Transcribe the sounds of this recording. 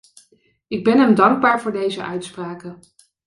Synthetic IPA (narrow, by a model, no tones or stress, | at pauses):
ɪɡ̚bɛnɦɛmdɑŋɡ̚baːɹvʊːɹdejzəʔœɥtspraːkə